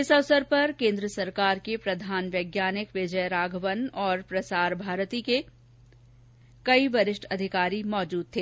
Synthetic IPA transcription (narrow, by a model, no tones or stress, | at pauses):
ɪsɐʋsəɾpɐɾkẽːnd̪ɾəsɐɾkaːɾkepɾɐd̪ʱaːnʋjəːɡjaːnɪkʋɪd͡ʒəjɾaːɡʱəʋənɔːɾpɾɐsaːɾbʱaːɾt̪ike | kɐiʋɐɾɪʃʈʰɐd̪ʱɪkaːɾimɔːd͡ʒuːd̪̚t̪ʰeː